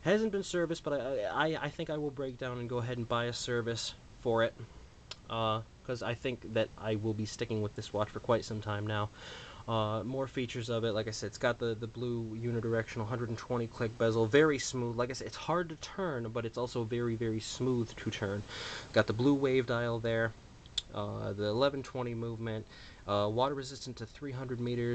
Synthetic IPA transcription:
hæzɨ̃nb̥ɨ̃nsɜ˞vɨsb̥ʌɾaɪaɪa̰ɪθɪ̃ŋkaɪwəlˠbɹeɪk̚d̥ãʊ̃nɨ̃nɡoʊəɦɛɾn̩baɪɨsɜ˞vɨs | fə˞ɪt̚ | ʔʌ | kʰʌzaɪθɪ̃ŋk̚ðɨɾʔa̰ɪwɪlˠbistɪkɪ̃ŋwəðɪswɑt͡ʃfə˞kʰw̥aɪtsʌ̃mtʰãɪ̃mnaʊʌmɔɹfit͡ʃə˞zʌvɨt̚laɪkaɪsɛdɨtsɡ̥ɑt̪̚ðɨðɨblujʉnɨdə˞ɛkʃɨ̃n̩l̩ˠɦʌ̃ndɹɨɾn̩tʰw̥ɛ̃ɾ̃ikʰl̥ɪk̚b̥ɛzl̩ˠvɛɹismuðlaɪkaɪsɛɾɨtshɑɹd̚tɨtʰɜ̃˞nbʌɾɨtsɔlˠsoʊvɛɹivɛɹismuð̥tʰɨtʰɜ̃˞nɡ̥ɑt̪̚ðəbluweɪvdaɪl̩ˠðə˞ | ʌðiəlɛvn̩tʰw̥ɛ̃ɾ̃imuvmɨ̃nt | ʌwɔɾə˞ɹɨzɪstn̩tʰɨθɹiɦʌ̃ndɹɨd̚miɾə˞

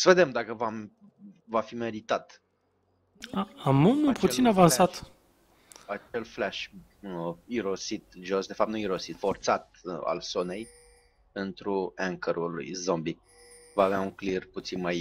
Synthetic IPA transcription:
səve̞d̪e̞md̪akəvam | vafime̞ɾit̪at̪ | aammput̪sinavansat̪ | at͡ʃe̞lflaʃ | iɾo̞sit̪ʒo̞sd̪e̞fap̚t̪nuiɾosit̪fo̞rt̪sat̪̚a̰lso̞ne̞j | pent̪ɾuaŋkəɾʔulṵjzombi | vaːveauŋklirput̪sinmaj

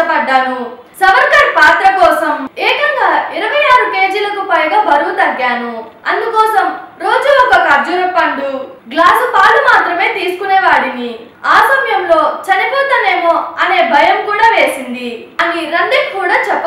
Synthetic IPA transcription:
ɐpɐɖːaːnu | sɐʋɐɾkɐʈ̚paːt̪ɾɐkɔːsɐmeːkɐŋɡaːiɾɐʋɐjaːɾuke̞ːd͡ʒilɐkupɐjɡaːbɐɾuʋut̪ɐɡːaːnuɐnd̪ukɔːsɐmɾo̞ːd͡ʒuɔkɔkɐd͡ʒuɾɐpːɐɳɖ̪uɡlaːsupaːlumaːt̪ɾɐmeːt̪iːsu̥kunɛːʋaːɽini | aːsɐmjɐmlo̞ːt͡ʃɐnipɔːt̪ɐneːmoːɐne̞ːbʱɐjɐmkuːɽaːʋe̞ːsind̪i | ɐniɾɐnd̪ekkːuːɽaːt͡ʃɛpːɐ

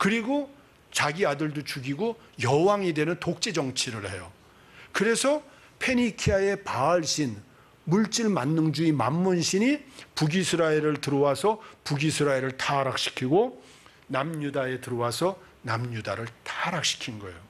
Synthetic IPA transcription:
kɯɾiɡo | t͡ɕaɡiadɯɭdot͡ɕuɡiɡo | jʌwaŋedwe̞nɯntok̚t͡ɕ͈e̞d͡ʑʌŋt͡ɕʰiɾɯɭhejo | kɯɾe̞sʰʌ | pʰe̞nikʰiae̞paːɭɕ͈in | muɭt͡ɕ͈iɭmanːɯnd͡ʑuimamːunɕʰiɲipuɡisʰɯɾaeɾɯɭtɯɾʌwasʰʌpuɡisʰɯɾaeɾɯɭtʰaɾak̚ɕ͈i̥kʰiɡo | namɲudae̞tɯɾʌwasʰʌ | namɲudaɾɯɭtʰaɾak̚ɕ͈i̥kʰinɡʌejo

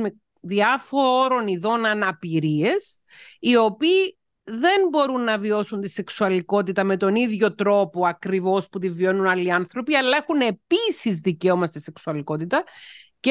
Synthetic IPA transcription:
e | ðiɐfoɾo̞niðo̞nɐnɐpiɾie̞s | io̞piː | ðe̞nbo̞ɾunːɐvio̞sunt̪ise̞ksuɐliko̞t̪it̪ɐme̞t̪o̞niðʝo̞t̪ɾo̞po̞ɐkɾivo̞sput̪ivio̞nunɐlːiɐnθɾo̞piɐlːɐexune̞pisizðiceomɐst̪ise̞ksuɐliko̞t̪it̪ɐc

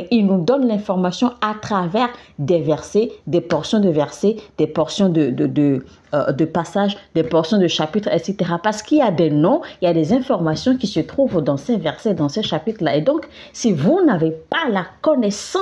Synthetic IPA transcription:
ilnud̪ɔnlɛ̃fɔʁmasjɔ̃at̪χavɛʁd̪ɛvɛʁsɛd̪ɛpɔʁsjɔ̃d̪əvɛʁsɛd̪̥ɛpɔʁsjɔ̃d̪əd̪əd̪ə | d̪əpasaʒd̪ɛpɔʁsjɔ̃d̪əʃapit̪χɛt̪set̪eʁapaʁsə̥kiljad̪ɛnɔ̃iljad̪ɛzɛ̃fɔʁmasjɔ̃kisət̪χuvd̪ɑ̃sɛvɛʁsɛd̪ɑ̃sɛʃapit̪χlaed̪ɔ̃k | sivunavepalakɔnɛsɑ̃

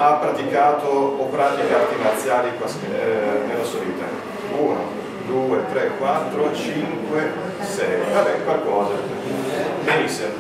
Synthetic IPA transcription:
apːɾat̪ikaːt̪oopɾat̪ikat̪inat̪sːjaːlipas | nelːasoɾiːt̪a̰ | uno̰ | d̪uːet̪ɾekːwat̪ːɾot͡ʃiŋkwe | sɛjfaɾɛkalkɔːza | benisːe

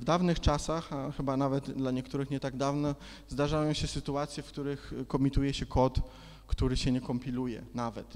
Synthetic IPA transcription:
vd̪avnɘxt͡ʂasaxaxɘbanavɛt̪d̪laɲɛkt̪uɾɘxɲɛt̪aɡd̪avnɔ | zd̪aʐajɔ̃w̃ɕɛsɘt̪uat̪sʲjɛfkt̪uɾɘxkɔmʲit̪ujɛɕɛkʰɔt̪ | kt̪uɾɘɕɛɲɛkɔmpʲilujɛ̰navɛt̪

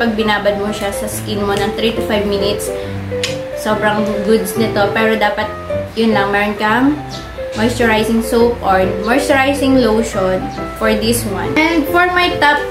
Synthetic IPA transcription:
pɐɡ̚bɪnaːbɐd̪̚moʃasɐskinmonɐŋt̪ɾit̪ʊfajvminɪt̪sː | oːbɾɐŋɡʊd̪snɐt̪o̞pɛːɾod̪aːpɐt̪̚jʊnlɐŋmɛɾɔnkɐŋ | mɐjsʊɹajsɪŋsowpʔoɹnmɔjsʊɹajsɪŋlowʃonfɔɹd̪iswã̰nɛnd̪fɔɹmajt̪ap̚

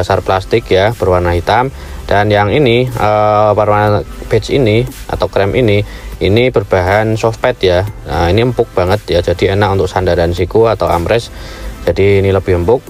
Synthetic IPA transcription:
asarplast̪ɪkjab̥ərwarnaɦit̪am | d̥anjaŋiniəwarmab̥ɛt͡ʃḭniʔa̰t̪awkɾɛmʔiniinib̥ərb̥aɦansɔfpɛt̪jaəiniəmpʊk̚b̥aŋət̪̚jad͡ʒadienaʔunt̪ʊk̚sandaɾansikuat̪awa̰mɾɛsd͡ʒ̥adiːniləbɪhəmpʊk̚

